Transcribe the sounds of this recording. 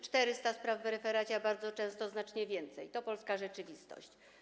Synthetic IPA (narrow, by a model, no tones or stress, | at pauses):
t͡ʂt̪ɛɾɘst̪aspɾavːɾɛfɛɾat͡ɕɛbaɾd̪zɔt͡ʂɛ̃w̃st̪ɔznat͡ʂɲɛvʲjɛnt̪sɛ̰jt̪ɔpɔlskaʐɛt͡ʂɘvʲist̪ɔ̰ɕt͡ɕ